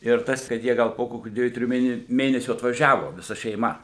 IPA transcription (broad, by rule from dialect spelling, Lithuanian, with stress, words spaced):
ɪr ˈtɐs kɐt ˈjiɛ ˈɡɐlˠ poː ˈkoːkʲuː ˈdʲʋʲiɛjuː ˈtʲrʲɪjuː ˈmʲeːnʲɛ ˈmʲeːnʲɛsʲuː ɐtʋɐˈʒʲæːʋoː ʋʲɪˈsɐ ʃʲɛɪˈmɐ